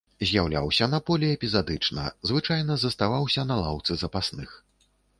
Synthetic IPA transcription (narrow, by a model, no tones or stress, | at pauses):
zʲjawlʲa̰wsʲɐnɐpɔlʲɛɛpʲizad̪ɨt͡ʂnɐ̰zvɨt͡ʂajnɐzɐst̪avawsʲɐnɐlˠa̰wt̪sɨzɐpasnɨx